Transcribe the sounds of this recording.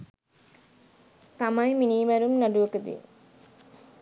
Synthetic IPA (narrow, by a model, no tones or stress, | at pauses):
t̪amɐjminiːʋæɾumnɐɖuʋɐkəd̪ḭ